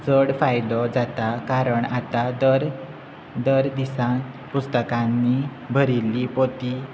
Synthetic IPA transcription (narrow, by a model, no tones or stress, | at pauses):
t͡səɽfajd̪ɔd͡zat̪akaɾəɳat̪ad̪əɾ | d̪əɾd̪isã | pust̪əkãnːi | bʱəɾilːipot̪i